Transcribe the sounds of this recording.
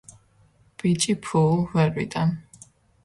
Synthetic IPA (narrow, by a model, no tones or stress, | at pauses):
b̥it͡ʃʼipʰulˠvɛɾwḭd̪ʼan